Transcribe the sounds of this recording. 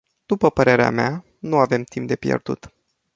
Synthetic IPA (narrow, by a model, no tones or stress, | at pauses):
d̪̥upəpəɾe̞ɾea̰mea | nuave̞mt̪imp̚d̪e̞pjḛrd̪ṵt̪